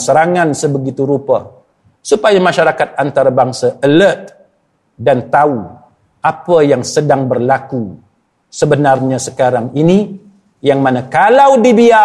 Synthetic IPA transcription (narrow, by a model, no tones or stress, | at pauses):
səɾaŋãnsəbəɡit̪uɾupa | supajamaʃaɾakat̪̚ant̪aɾabaŋsaʔələt̪̚ | dant̪au | apəjaŋsədaŋbərlaku | səbənarɲasə̥kaɾaŋini | jaŋmãnakalawdibia